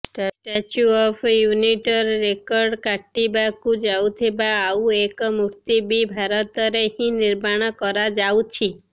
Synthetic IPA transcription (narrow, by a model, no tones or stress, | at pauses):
ʈʈat͡ʃuɔpʰjuniʈɔɾːekɔɾɖkaʈːibakũd͡ʒawt̪ʰebaːuekɔmuɾt̪ibibʱaɾɔt̪ɔɾeɦĩniɾmaɽ̃ɔkɔɾad͡ʒawt͡ʃʰi